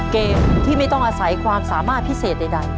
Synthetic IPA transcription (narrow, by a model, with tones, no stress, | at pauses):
keː˧mt̪ʰiː˥˩ma˥˩jt̪ɔ˥˩ŋʔaː˧sa˩˦jkʰwaː˧msaː˩˦maː˥˩t̪̚pʰi˦˥˩seː˨˩t̪̚na˧jda˥˩